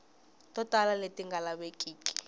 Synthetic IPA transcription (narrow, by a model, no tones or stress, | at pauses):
tʼɔtʼalaletʼiŋɡʱalaɓekʼiːkʼi̥